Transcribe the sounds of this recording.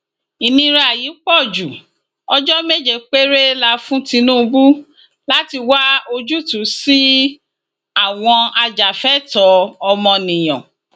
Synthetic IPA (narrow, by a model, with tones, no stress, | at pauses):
i˨nĩ˧ɾa˦˨ji˨˦k͡pɔ˦˨d͡ʒu˨ | ɔ˧d͡ʒɔ˦me˦d͡ʒe˦˨k͡pe˦ɾe˦la˧fũ˦tĩ˧nũː˦˧bu˦ | la˦ti˧wa˦o˧d͡ʒu˦˨tũ˨˦si˦ | a˦˨w̃ɔ̃˧a˧d͡ʒa˨fɛ˦˨tɔ˧˦ɔ˧mɔ̃˧nĩ˨j̃ɔ̃˨